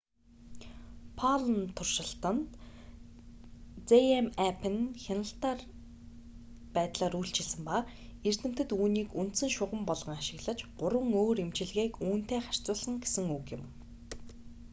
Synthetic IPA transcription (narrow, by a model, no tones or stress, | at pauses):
pʰaɮnt̪ʰʊrʃɪ̆ɬt̪ə̆nt̪ | t͡seemæpʰĕnxʲanə̆ɬt̪ar | pæːt̪ɮaːɾujɬt͡ɕʰɪsɘ̆mpa | er̥t̪ʰɘ̆m̥t̪ɘ̆t̪uːniːkunt̪sɘ̆ŋʃʊʁə̆mpɔɮʁ̥ə̆ŋaʃɪ̆ɣɮə̆t͡ɕɢʊɾwə̆ŋoːɾemt͡ɕɪ̆ɮɣeːkuːn̥t̪eːχar̥ʲt͡sʊːɮə̆ŋɡesɘ̆ŋukjɪ̆m